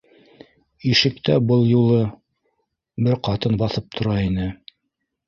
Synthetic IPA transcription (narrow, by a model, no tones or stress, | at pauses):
iʃɘ̆k̚t̪æbɤlˠjulˠɤ | bɘɾqɑt̪ɤnbɑθɤp̚t̪ʰŏɾɑinɘ